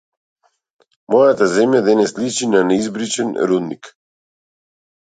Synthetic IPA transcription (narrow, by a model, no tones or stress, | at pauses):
mɔjat̪azɛmjad̪ɛnɛslit͡ʃinanɛizbɾit͡ʃɛnɾud̪nḭk